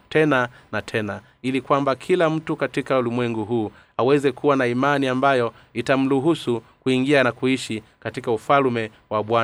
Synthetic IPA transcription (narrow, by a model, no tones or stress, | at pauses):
tʰɛnanatʰɛna | ilikwambakʰilam̩tukatikaulimwɛŋɡuɦuː | awɛzɛkʰuwanaimaniambajɔ | itam̩luɦusukuiŋɡianakuiʃikatikaufalmɛ | waɓwa